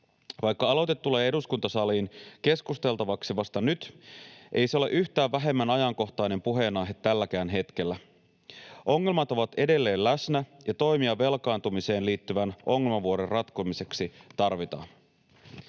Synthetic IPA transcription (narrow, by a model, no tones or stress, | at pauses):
ʋɑjkːɑɑlo̞t̪et̪ːule̞ːe̞duskunt̪ɑsɑliːnke̞skust̪e̞lt̪ɑʋɑksiʋɑst̪ɑnyt̪ʔe̞jse̞o̞le̞̰ʔyçt̪æːʋːæɦe̞mːænɑjɑŋko̞xt̪ɑjne̞mpuɦe̞ːnɑjɦe̞t̪ːælːækæːnɦe̞t̪k̟elːæ | ʔo̞ŋːe̞lmɑt̪o̞ʋɑt̪e̞de̞lːe̞ːllæsnæjɑt̪o̞jmiɑʋːe̞lkɑːnt̪umise̞ːnliːt̪ːyʋænʔo̞ŋːelmɑʋuoɾerɑt̪komise̞ksit̪ɑrʋit̪ɑ̰ːn